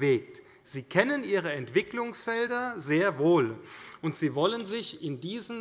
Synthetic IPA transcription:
veːk̚t | z̥iːkʰɛnənʔiːʁ̞əɛntv̥ɪklʊŋsfɛldɐzeːɐvoːlʔʊntz̥iːvɔlənzɪçɪndiːzn

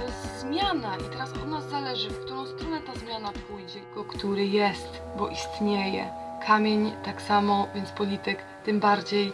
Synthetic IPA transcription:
ɛzzmʲjanaʔit̪ɛɾasʔɔnazalɛʐɘfkt̪uɾɔ̃w̃st̪ɾɔnɛt̪azmʲjanapujd͡ʑɛɡɔkt̪uɾɘjɛst̪ | bɔʔist̪ɲejɛ̰ | kʰamʲjeɲt̪aksamɔvʲjɛnt̪spɔlʲit̪ɘk | t̪ɘmbaɾd͡ʑej

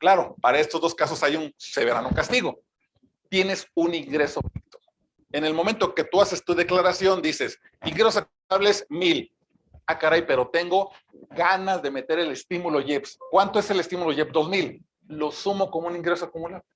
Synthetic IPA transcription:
klaɾo̞paɾae̞st̪ozðo̞skaso̞sajunse̞βe̞ɾa̰nokast̪iɣo̞ | t̪je̞ne̞suniŋɡɾe̞sopikt̪o̥ | e̞ne̞lmo̞ment̪o̞ket̪uase̞st̪uðe̞klaɾasjond̪ise̞s | iŋɡɾesoakuuaβleesmil | akaɾajpe̞ɾo̞t̪e̞ŋɡo̞ | ɡanazðe̞me̞t̪e̞ɾe̞le̞st̪imulo̞ʝe̞pskwant̪o̞e̞se̞le̞st̪imulo̞ʝe̞pd̪ozmil | lo̞sumo̞komouniŋɡɾe̞soakumulaβle

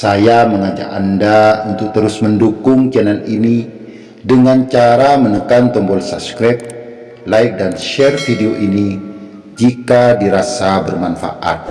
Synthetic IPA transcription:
sajaməŋad͡ʒa̰kandaunt̪ʊk̚t̪əɾʊsməndukʊŋt͡ʃananini | dəŋant͡ʃaɾamənəkant̪ɔmbɔlsab̚skɾap̚ | laɪk̚danʃɛrfideoʔini | d͡ʒikadiɾasabərmanfa̰ʔa̰t̪̚

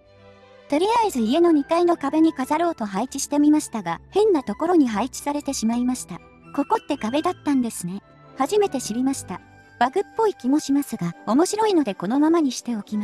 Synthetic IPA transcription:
t̪o̞ɾʲiaizɨie̞no̞ɲ̟it̪aino̞kabe̞ɲ̟ikazaɾo̞ːt̪o̞ɦait͡ɕiɕi̥t̪e̞mʲimaɕi̥t̪aɡahẽ̞nːat̪o̞ko̞ɾo̞ɲ̟iɦait͡ɕi̥saɾe̞t̪e̞ɕimaimaɕi̥t̪a | ko̞ko̞t̪ːe̞kabe̞d̪at̪ːãnd̪e̞sɨne̞ | haʑime̞t̪e̞ɕiɾʲimaɕi̥t̪a | b̥aɡɯ̟pːo̞ikʲimo̞ɕimasɨɡao̞mo̞ɕiɾo̞ino̞d̪e̞ko̞no̞mamaɲ̟iɕi̥t̪e̞o̞kʲima

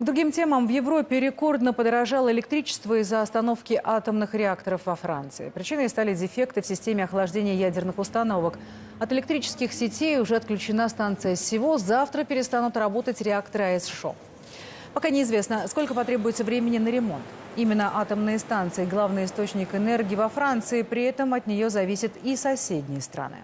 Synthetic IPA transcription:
ɡd̪ɾʊɡʲimtʲe̞məmvjɪvɾo̞pʲːɪɾʲɪko̞rd̪nəpəd̪əɾɐʐalˠəɪlʲɪkt̪ɾʲit͡ɕɪ̥st̪vəɪzːəɐst̪ɐno̞fkʲɪʔat̪əmnɨxɾʲɪakt̪əɾəfvɐfɾa̰nt̪sɨ̰ɪ̰pɾʲɪt͡ɕinɨst̪alʲɪdʲɪfʲe̞kt̪ɨfsʲɪsʲtʲemʲɪɐxlˠɐʐdʲenʲɪjəjædʲɪrnɨxʊst̪ɐno̞vək | ɐt̪ɨlʲɪk̚t̪ɾʲit͡ɕɪ̥skʲɪxsʲɪtʲejʊʐɛɐt̪̚klʲʉt͡ɕɪnast̪ant̪sɨjəsʲɪvo̞zaft̪ɾəpʲɪɾʲɪst̪anʊt̪ɾɐbo̞t̪ətʲɾʲɪakt̪əɾɨɐɛsʂo̰ | pɐkanʲɪːzvʲesnəsko̞lʲkəpɐt̪ɾʲe̞bʊjɪt̪səvɾʲemʲɪnʲɪnəɾʲɪmo̞̰nt̪ | imʲɪnːəʔat̪əmnɨjəst̪ant̪sɨɪɡlˠavnɨjɪst̪ot͡ɕnʲɪkɨnɛrɡʲɪːvɐfɾant̪sɨɪpɾʲɪɛt̪əmɐt̪nʲɪjo̞zɐvʲisʲɪt̪isɐsʲedʲnʲɪjəst̪ɾɐ̰nɨ̰

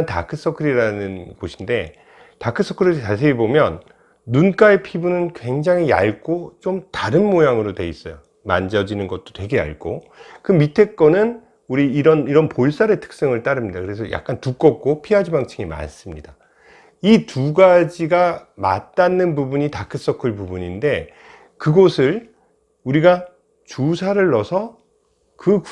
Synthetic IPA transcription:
nta̰kʰɯs͈ʰʌkʰɯɾiɾanɯnɡoɕʰinde̞ | takʰɯs͈ʰʌkʰɯɾɯt͡ɕas̬ʰeɡibomjʌnː | unk͈aepʰibunɯnkwe̞ŋd͡ʑaŋia̰ɭk͈ot͡ɕomtaɾɯnmojaŋɯɾotwe̞is͈ʌjo | ma̰nd͡ʑʌd͡ʑinɯnɡʌt̚t͈o̥twe̞ɡe̞a̰ɭɡo | kɯmitʰe̞k͈ʌnɯn | uɾiːɾʌniɾʌnpoɭs͈aɾe̞tʰɯ̥k̚s͈ɯŋɯɭt͈aɾɯmɲidakɯɾe̞s̬ʰʌ̰ja̰k̚k͈antuk͈ʌk̚k͈opʰiɦad͡ʑibaŋt͡ɕʰɯŋima̰s͈ɯmɲida | ituɡad͡ʑiɡama̰tt͈anːɯnbubuɲitakʰɯs͈ʌkʰɯɭpubuɲinde̞ | kɯɡʌsʰɯɭ | uɾiɡa | t͡ɕusʰaɾɯɭːʌsʰʌ | kɯ

